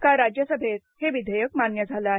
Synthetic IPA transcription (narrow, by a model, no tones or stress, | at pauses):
kaɾad͡ʑjəsəbʱet̪ | heʋid̪ʱəjək̚manjəd͡zʱalaɦ